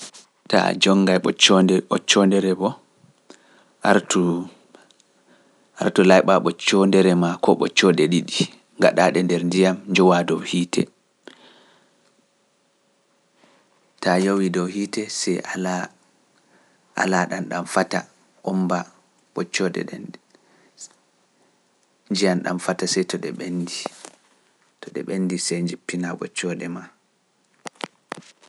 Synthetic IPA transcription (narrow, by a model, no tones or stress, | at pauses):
ta̰d͡ʒɔŋɡajɓɔt͡ʃːɔndɛɔt͡ʃːɔndɛɾɛbɔ | aɾtu | a̰ɾtulajɓaɓɔt͡ʃːɔndɛɾɛmakɔɓɔ̰t͡ʃːɔdɛɗiɗi | ŋɡa̰ɗaɗɛndɛɾndijamɲd͡ʒɔwadɔwhiːtʰɛ̰ | tajowidɔwhiːtɛsɛ | ʔa̰laɗanɗamfata̰ | ʔɔmba | ɓ̥ɔt͡ʃːɔɗɛ̰ɗɛn | d͡ʒijanɗa̰mfatasɛjtɔɗɛ̰ɓendi | tɔɗɛ̰ɓenːdisɛjɲd͡ʒipːinaɓɔt͡ʃːɔɗɛma